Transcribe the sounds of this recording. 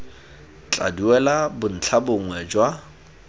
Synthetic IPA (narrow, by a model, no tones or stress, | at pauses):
t͡ɬʼa̰duwɛlabʊn̩t͡ɬʰabʊŋwɛd͡ʒwa